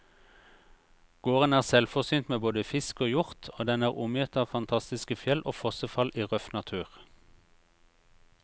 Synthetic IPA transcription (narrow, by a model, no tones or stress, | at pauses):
ɡ̥oːʁənæːʁsɛlfɔʁsyːnt̪meːboːd̪əfɪskoːjʊʁt̪ʰoːd̪ɛnæːʁʊmjʏt̪ɑːʋfɑnt̪ʰɑst̪ɪskəfjɛlʔoːfɔsəfɑlʔiːʁœfnɑt̪ʰʉːʁ